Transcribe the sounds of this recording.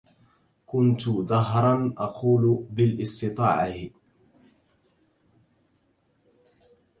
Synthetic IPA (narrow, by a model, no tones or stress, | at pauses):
kʊnt̪ʊðɑɦɾˤɑnʔɑqʰuːlbɪlʔɪst̪ɨt̪ˤɑːʕa